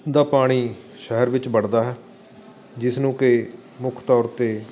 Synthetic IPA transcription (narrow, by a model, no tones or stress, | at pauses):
d̪aːpaːɽ̃iː | ʃɛɦəɾʋɪt͡ʃbəɽd̪aːɦɛː | d͡ʒɪsnũːkɪ | mʊkʰt̪ɔːɾt̪eː